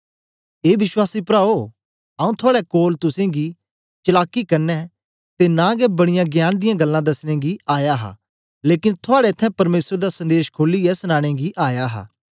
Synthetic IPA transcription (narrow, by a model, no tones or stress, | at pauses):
eːʋɪswaːsipɾaːoː | aːũt̪ʰʊaːɽɛkoːlt̪ʊsẽɡi | t͡ʃɐlaːkːikɐɾnɛ | t̪enãɡɛbɐɽ̃ɪjãɡjaːnd̪ɪjãɡɐlːãd̪ɐsñẽɡiaːjaɦa̰ | leːkɪnt̪ʰʊaːɽɛt̪ʰːɛ̃pɐɾmeːsɾd̪asɐ̃nd̪eːʃkʰoːlːiɛsñãːɽ̃ẽɡiʔaːjaɦa̰ː